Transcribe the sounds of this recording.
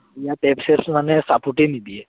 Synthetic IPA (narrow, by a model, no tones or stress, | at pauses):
jat̪ɛpseɾsmanesapuʈenid̪ie